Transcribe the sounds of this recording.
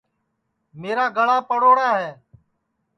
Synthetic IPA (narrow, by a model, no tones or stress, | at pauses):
meːɾaːɡʱəɽaːpəɽoːɽaːɦeː